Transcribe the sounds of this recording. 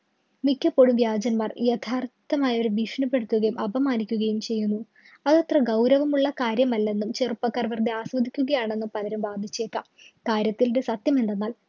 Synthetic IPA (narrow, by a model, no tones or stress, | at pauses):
mikʲːɐpːo̞ːɻumʋjaːd͡ʑɐnmaːrjɐt̪ʰaːrt̪ːɐmaːjɐoɾuʋiʂɳɐpːe̞ɽut̪ːuɣɐjumʔɐbʱɐmaːnikʲːuɣɐjumt͡ɕe̞jːunːu | ɐðɐt̪rɐɡɐwɾɐʋɐmuɭːɐkaːɾjɐmɐlːe̞nːumt͡ɕerpːɐkːaːrʋɐrd̪iaːsʋɐd̪ʱikʲːuɣɐjaːɳe̞nːumpɐlɐɾumʋaːd̪ʱit͡ɕːe̞ːkːam | kaːɾjɐt̪ːiludesɐt̪jɐme̞nd̪e̞nːaːl